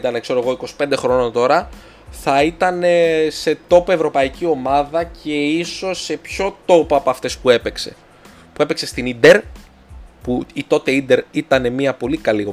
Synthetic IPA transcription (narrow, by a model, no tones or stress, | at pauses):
t̪ɐnekse̞ɾoeɣo̞iko̞si̥pend̪e̞xɾo̞not̪o̞ɾɐ | θɐit̪ɐne̞se̞t̪o̞poevɾo̞pɐicio̞mɐðɐce̞iso̞se̞pço̞t̪o̞poɐpoɐft̪e̞spue̞pe̞kse̞̰ | pue̞pe̞kse̞st̪inid̪e̞ɾ | puit̪o̞t̪e̞ind̪e̞ɾit̪ɐne̞miɐpo̞likɐlio